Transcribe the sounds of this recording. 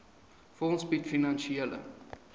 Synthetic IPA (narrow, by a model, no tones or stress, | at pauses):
fɔnsbit̪finanʃiɛlə̰